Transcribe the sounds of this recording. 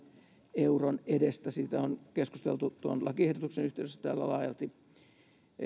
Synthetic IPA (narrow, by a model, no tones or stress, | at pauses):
euronedest̪æsit̪æonkeskust̪ḛlt̪ut̪uonlɑkiehdot̪uksenyht̪eˑysest̪æ̰ːlːæ̰lɑːjɑlt̪i